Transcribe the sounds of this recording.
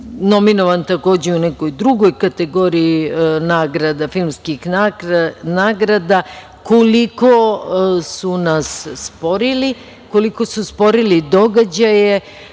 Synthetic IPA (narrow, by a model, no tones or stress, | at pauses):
no̞minoʋant̪ako̞ːd͡ʑeunɛko̞jd̪ɾuɡo̞jkat̪eɡo̞ɾijinaːɡɾad̪afilˠmskixnanaːɡɾad̪a | koliko | sunasːpo̞ɾili | koliko̞suspo̞ɾilid̪o̞ɡad͡ʑaje